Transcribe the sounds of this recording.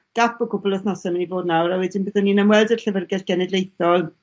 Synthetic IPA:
ɡ̥apʰɔkʰʊbɔlˠəθnɔsɛmənivoːdnawɾawɛdɪnbəðɔninəmwɛlˠdər̥ɬəvərɡɛrɡ̥ɛnɛdlˠejθɔlˠ

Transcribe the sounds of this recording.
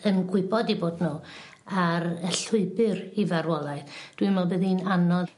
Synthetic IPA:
ənɡwɪbɔdiboːdnu | aɾəɬʊɨbɨrivaɾwɔlˠajθd̥wimɔbɨðinanɔ

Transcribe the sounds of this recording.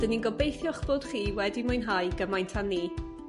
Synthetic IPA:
d̥əninɡɔbejθjɔχb̥oːd̥χiːwɛdimʊjnɦajɡəmajntʰaniː

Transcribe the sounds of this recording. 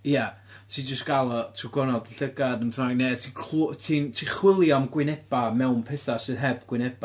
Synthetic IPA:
ja | tʰiːd͡ʒəstɡ̥alˠɔtʰuɡɔnɔdəɬəɡadənraɡnetʰikʰltʰintʰiːχwɪlˠjaɔmɡwɪnɛb̥amɛwnpʰɛθasɨːðɦɛbɡwɪnɛba

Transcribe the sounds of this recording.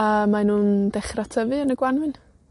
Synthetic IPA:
amanuːndɛχrɔtʰəvɨənəɡwanwɨn

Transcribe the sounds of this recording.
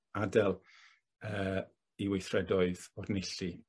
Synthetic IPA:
adɛlˠ | əː | iwejθrɛdɔɨðɔrnɪɬi

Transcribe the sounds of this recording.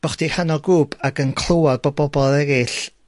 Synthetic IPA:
b̥ɔχd̥ihanɔɡuːbaɡənkʰlˠowar̚bɔbɔbɔlˠɛɾɪɬ

